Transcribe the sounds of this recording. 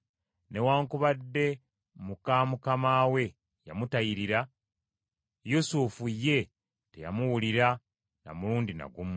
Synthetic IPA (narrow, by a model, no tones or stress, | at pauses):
ne̞waːŋkuβadːe̞ | mukamukamaːwe̞ | jamutajiɾiɾa | jusufujːe̞ | te̞ja̰muwuliɾa | na̰muluːndina̰ɡum